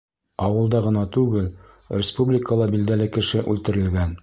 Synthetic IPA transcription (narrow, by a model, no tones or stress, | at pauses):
ɑwɤ̆lˠd̪ɑʁɤ̆nɑt̪ʉɡɘl | rʲɪspublʲɪkəlˠɑbild̪ælɘkɘ̆ʃɘʔʉlt̪ɘ̆ɾɘ̆lɡæn